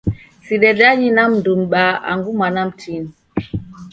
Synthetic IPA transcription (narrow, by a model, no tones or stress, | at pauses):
siɗɛɗaɲinamndumɓaa̰ŋɡumanam̩tʰin